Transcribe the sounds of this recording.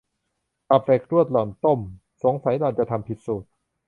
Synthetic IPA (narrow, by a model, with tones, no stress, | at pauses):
ʔa˨˧˩p̚fe˨˩k̚ɾu˥˩ət̪̚lɔː˨˩nt̪o˥˩m | so˩˦ŋsa˨˩˦jd̪ɔː˧nt͡ɕa˨˩t̪ʰa˧mpʰi˨˩t̪̚suː˨˩t̪̚